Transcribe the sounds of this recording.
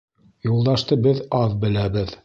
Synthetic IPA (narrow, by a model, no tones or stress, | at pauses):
julˠd̪ɑʃt̪ɤbɘðɑðbɘ̆læbɘð